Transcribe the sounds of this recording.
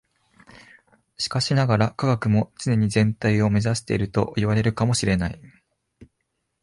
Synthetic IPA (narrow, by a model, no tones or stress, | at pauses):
ɕi̥kaɕinaɡaɾakaɡakɯ̟mo̞t͡sɨne̞ɲ̟izẽ̞nt̪aio̞me̞zaɕi̥t̪e̞̰iɾɯ̟t̪o̞̰ʔiβaɾe̞ɾɯ̟kamo̞ɕiɾe̞nai